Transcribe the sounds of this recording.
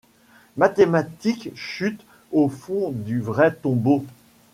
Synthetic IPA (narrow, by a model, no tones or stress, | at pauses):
mat̪emat̪ikʃyt̪ | ofɔ̃d̪yvʁɛt̪ɔ̃bo